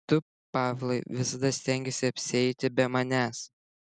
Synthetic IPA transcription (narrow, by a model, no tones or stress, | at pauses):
t̪ʊ | pɑːʋʲlˠɐɪʋʲɪsɐd̪ɐsʲt̪ʲɛŋʲɡʲɛsʲɪɐpʲsʲɪɛɪt̪ʲɪbʲɛmɐnʲæːs